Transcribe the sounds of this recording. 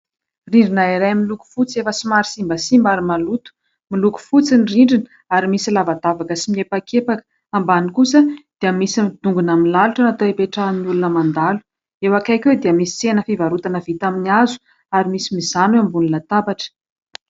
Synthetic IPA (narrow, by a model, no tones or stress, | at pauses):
riɳɖ͡ʐinaiɾajmiluku̥fut͡sefəsimaɾisimbəsimbaɾimalut̪u̥ | miluku̥fut͡sinriɳɖ͡ʐinə̥ | aɾimisilavad̪avakəsimiepakʰepakə̥ | ambanikusəd̪̥eəmisimid̪uŋɡunamilaluʈ͡ʂanat̪oepeʈ͡ʂaniulunəmand̪alu̥ | ewakajkʲwed̪iəmisi̥t͡senəfivaɾut̪anəvit̪aminiazu̥ | aɾimisimizanuambuninət̪apaʈ͡ʂə̥